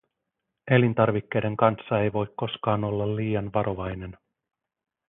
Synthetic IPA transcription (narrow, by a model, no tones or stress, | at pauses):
e̞lint̪ɑrʋikːe̞jde̞ŋkɑnsːɑe̞jʋo̞jkko̞skɑːno̞lːɑlːiːjɑnʋɑɾʔo̞ʋɑjne̞n